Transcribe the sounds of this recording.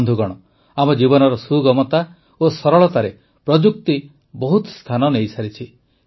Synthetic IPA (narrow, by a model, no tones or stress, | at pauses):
nd̪ʱuɡɔɽ̃ɔ | amɔd͡ʒibɔnɔɾɔsuɡɔmɔt̪a | osɔɾɔɭɔt̪aɾe | pɾɔd͡ʒuk̚t̪i | bɔɦut̪st̪ʰanɔnejsaɾit͡ʃʰi